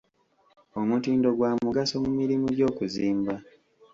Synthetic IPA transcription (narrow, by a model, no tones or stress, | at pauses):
o̞mutiːndo̞ɡwaːmuɡaso̞mumiɾimuɟo̞ːkuziːmba